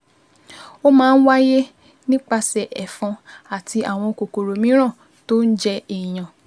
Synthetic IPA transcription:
o˦mãː˦˧n̩˦wa˦je˦ | nĩ˦k͡pa˧sɛ˨ʔɛ˨fɔ̃˧a˨tʰi˧ʔa˨w̃ɔ̃˧ko˨ko˨ɾo˨mĩ˨˦ɾ̃ã˦˨ | to˦n̩˦d͡ʒɛ˦i˨j̃ã˨

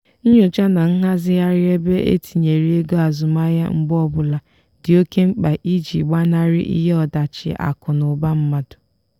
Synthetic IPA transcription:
ɲʊ˨t͡ʃa˦na˨ŋ̩˦ɦa˦zɪ˦ja˦ɾɪ˦e˦be˦ʔḛ˦tʰi˨ɲe˨ɾi˦e˦ɡo˦a˨zʊ˨ma˦ja̰˦ŋ͡m̩˦ɡ͡bɔ˦bʊ˨la˨ | dɪ˨o˦ke˦ŋ͡m̩˦k͡pa˨ʔi˦d͡ʒḭ˨ɡ͡ba˦na˦ɾɪ˦ʔḭ˦ɦe˦ɔ˨da˨t͡ʃɪ̰˨ʔa̰˨kʊ˨nʊ˨ba˦m̩˦ma˨dʊ̥˨

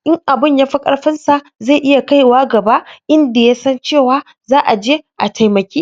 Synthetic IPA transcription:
ʔɪ˦ŋʔa˨bɪ˦˨ɲjaː˦ɸi˦kʼɐ̰˦ɽɸɪ˦nsa˨ʔ | za˦˨ʔɪ˦ja˨ka˦jwaː˦ɡɐ˨ba˦ʔɪ˦nda˨ja˦sɐ˦nt͡ʃeː˦˨waː˦ | zaː˦ʔa˨d͡ʒeː˦ʔa˨tʰa˨jmɐ˨kʲiː˦

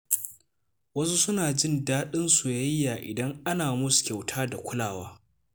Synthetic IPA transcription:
wɐ˦su˦sʊ˦naː˨d͡ʒɪ˦˨ndaː˦ɗɪ˦nsu˨jɐ˦jːaː˨ʔɪ̰˨dɐ˦ŋʔa˦naː˨mʊ˦skʲa˨wtʰaː˦da˨kʷʊ˦laː˨waː˦

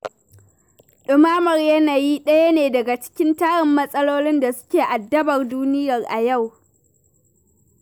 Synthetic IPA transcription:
ɗʊ˨maː˦mɐ˨rjɐ˦naː˨ji˦ɗɐ˦ja˦neː˨dɐ˨ɡa˨t͡ʃɪ̥˦kʲɪ˦ntaː˦ɽɪ˨mːɐ˦sʼɐ˦loː˦lɪ˦nda˨sʊ̥˦kʲeː˨ʔa˨dːɐ˦bɐ˨rduː˦nɪ˦jɐ˨rʔa˨ja˦˨w

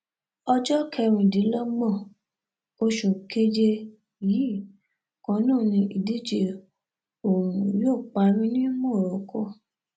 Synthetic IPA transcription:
ɔ˧d͡ʒɔ˦kʰɛ˧ɾ̃ĩ˨di˨˦lɔ˦ɡ͡bɔ̃˦˨ | o˧ʃo˨ke˦d͡ʒe˧ | ji˨˦˨ | kɔ̃˨˧˦nũː˦˨nĩ˧ʔi˨di˦d͡ʒe˧˨ | o˨ɾũ˨joː˦˨k͡pa˧˦ɾĩ˦nĩ˦mõ˦˨ɾɔ˨˦kʰɔ˦˨

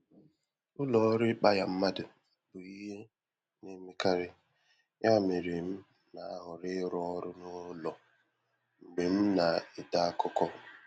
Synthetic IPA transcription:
ʊ˦lɔ˨˦ɾɪ˦k͡pa˦ja˨m̩˦ma˦dʊ˨ | bʊ˨i˦ɦe˦ | ne˦me˦ka˦ɾɪ˦ | ja˦˨me˨ɾe˨m̩˦ | na˨a˦ɦʊ˨ɾɪ˦ɾɔ˦ɾʊ˦nʊ˦lɔ˨ | ŋ͡m̩˨ɡ͡be˨m̩˦na˨ɪ˨da˦kʊ˦kɔ˦

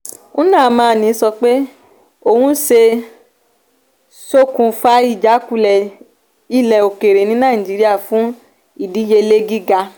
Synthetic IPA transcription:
ũ˦nãː˦˨˦mãː˧˦˧nĩ˨˧˦sɔ˧k͡pe˦ | o˦˨hũ˦se˧ | so˦kũ˧fa˧˦i˦˨d͡ʒa˨˦ku˧˨lɛ˨ | i˦˨lɛ˨o˨ke˨ɾe˨nĩ˨˦nãː˦˨d͡ʒi˨˦ɾi˦a˦˨fũ˨˦ | i˦˨di˨˦je˧le˦ɡi˦ɡa˧

